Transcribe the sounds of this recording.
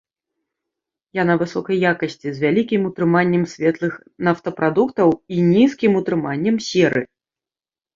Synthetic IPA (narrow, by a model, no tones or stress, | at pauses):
janɐvɨsɔkɐjːakɐsʲt͡sʲizʲvʲalʲikʲimut̪ɾɨmanʲːɛmsʲvʲɛt̪lˠɨx | naft̪ɐpɾad̪ukt̪ɐwinʲiskʲimut̪ɾɨmanʲːɛmsʲɛɾɨ